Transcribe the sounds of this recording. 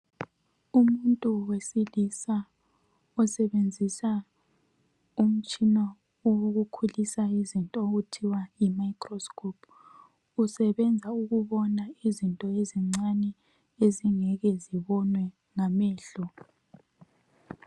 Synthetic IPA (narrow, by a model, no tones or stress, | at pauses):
umuntʼuwesilisa | ɔsɛβend͡zʱisa | um̩t͡ʃʼinɔ | oɣukʰulisaizintʼɔɣutʰiwaimaikʰʼrɔskʰʼɔpʰ | usɛβɛnd͡zʱauɣuβɔnaizintʼɔeziŋ͡ǀanɛ | eziŋɛɣɛziβɔnwɛ | ŋamɛːɬɔ